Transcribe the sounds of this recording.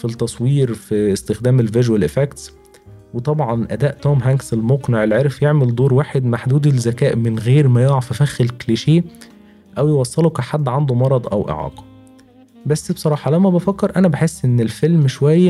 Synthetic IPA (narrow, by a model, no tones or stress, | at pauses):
fit̪ːɑsˤwiːɾfiest̪exd̪æːmelveʒwælʔefækt̪s | wet̪ˤɑbʕɑnʔæd̪æːʔt̪oːmɦæŋɡselmoqneʕelʕeɾfjeʕmeld̪oːɾwaːħed̪maħd̪uːd̪elzækæːʔmɪnɣeːɾmæjoʕɑfæfæxelkliʃeː | ʔæwjewɑsˤːelukæħad̪ːʕand̪omɑɾˤɑd̪ˤʔæwʔḛʕɑ̰ːqɑ̥ | bæsːbsˤɑɾˤɑːħɑlæwmːæbæfækːeɾʔænæbaħesːʔenːelfelmʃwæjːæ